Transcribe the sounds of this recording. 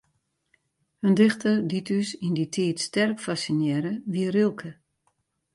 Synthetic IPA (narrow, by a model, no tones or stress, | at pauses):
həndɪxtəditysinditʰiːtstɛrkfasinjɛɾəʋiərilˠkʰə